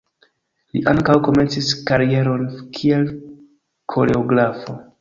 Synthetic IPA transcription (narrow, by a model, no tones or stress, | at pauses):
lḭʔaŋkawko̞me̞nt͡siskaɾie̞ɾo̞nkʰie̞l | kʰo̞̰ɾe̞oɡɾafo̞